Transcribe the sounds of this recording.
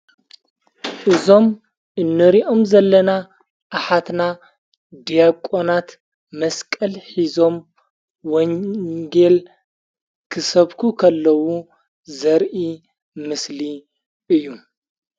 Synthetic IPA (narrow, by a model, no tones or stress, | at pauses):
ʔɨzo̞m | ʔɨnːɨɾiʔo̞mzɐlːɐna | ʔːħat̪na | d̪ijakʼonat̪ | mɐskʼɐlħizom | woŋɡel | kʰɨsɐβkʰukʰɐlːɐwu | zɐɾʔi | mɨsli | ʔɨjːu